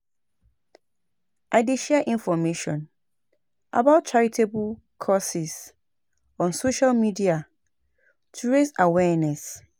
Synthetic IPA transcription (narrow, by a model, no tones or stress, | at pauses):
ʔaɪdiʃiaʔĩnfɔmeʃɔ̰̃n | ʔa̰baʊt̚t͡ʃaɹitʰebl | kʰɔsis | ɔ̃nsoʃalmidia | tʰuɹezawɛnɛs